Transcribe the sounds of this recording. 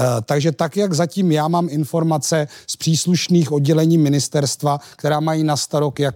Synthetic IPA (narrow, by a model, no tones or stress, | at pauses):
t̪aɡʒɛt̪akjaɡzaciːmjaːmaːmɪnfo̞ɾmat͡sɛspr̥iːsluʃniːxo̞dɟɛlɛɲiːmɪnɪst̪ɛɾst̪vakt̪ɛɾaːmajiːnast̪aɾokjak